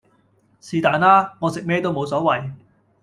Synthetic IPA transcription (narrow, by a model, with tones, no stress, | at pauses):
siː˨˧t̪aː˨˩nlaː˥ŋɔː˨˧sɪ˨k̚mɛː˥˧t̪o˥wmo˨˧wsɔː˨˥wɐ˨j